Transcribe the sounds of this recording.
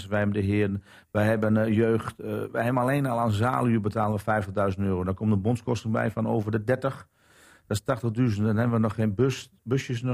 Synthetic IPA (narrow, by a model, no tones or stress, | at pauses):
sʋɛjɛbəndəɦɪən̩ | ʋɛjɦɛbənjøːxtʋɛjɦɛbənaleːnɔlˠaːnza̰ːlˠyəbətaːlˠənʋəfɛjftəɣdœɥzən̩tøːrodɔkʰomtdəbonskɔstəŋbɛ̰jfɔnoːvərdədɛrtəx | d̥ɔstaxtəɣdyzəntɔnhɛbənʋənɔxeːn | bøsjəs